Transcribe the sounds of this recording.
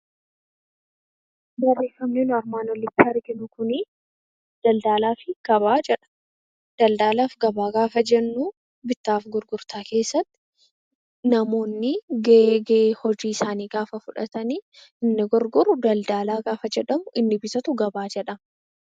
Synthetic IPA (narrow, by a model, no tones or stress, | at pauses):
ɡɐrːeːfɐmneːnʊɐɾmaːnɔlːɪt̪ːɪɐɾɡɪnʊkʊnɪ | d̪̥ɐld̪aːlaːfɪɡ̥ɐβaːd͡ʒɛɐ̥ | d̪̥ɐld̪aːlaːfɡɐbaːɡaːfɐd͡ʒɛnːuː | bɪt̪ːaːfɡʊɾɡʊɾt̪aːke̞ːsːɐt̪ːɪ | nɐmo̞ːnːɪɡɐɡhɔd͡ʒiːɪsaːniːɡaːfɐfʊᶑɐ̰t̪ɐniː | ɪnːɪɡʊɾɡʊɾʊd̪ɐld̪aːlaːɡaːfɐd͡ʒɛᶑɐmʊʔɪnːɪbɪsɐt̪ʊɡɐbaːd͡ʒɛᶑɐ